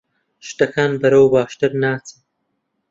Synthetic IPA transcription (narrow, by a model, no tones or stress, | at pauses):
ʃt̪ɐkʰaːnbɐɾɐwbaːʃt̪ɨɾnaːt͡sɨ